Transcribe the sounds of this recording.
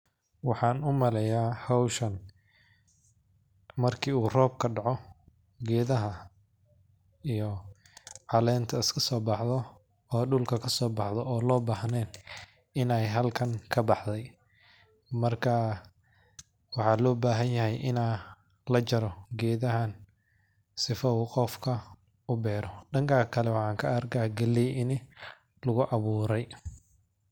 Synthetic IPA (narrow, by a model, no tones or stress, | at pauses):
wɑħɑːnʊmɐlɛjaːhɔwʃɐn | mɐrkʰiːuːrɔːb̚kʰɐɖɑʕɔ | ɡɛːðɐɦɐ | ijɔ | ʕɑlɛːnt̪ʰɐɪskʰɐsɔːbɑħðɔ | ɔːɖʊlkʰɐkʰɐsɔːbɑħðɔɔːlɔːbaːhnɛːn | ɪnɛjɦɐlkʰɐŋkʰɐbɑħd̪ɛj | mɐrkʰɐ | wɑħɑːlɔːbaːɦɐnjɐɦɛjʔɪnaː | lɐt͡ʃɐɾɔɡɛːðɐɦɐn | sɪfɐuːqɔfkʰɐ | ʊbɛːɾɔɖɐŋkʰakʰɐlɛwɑħɑːŋkʰɐɐrɡaɡɐlːɛjɪnɪ | lʊɣʊʔɑβuːɾɛj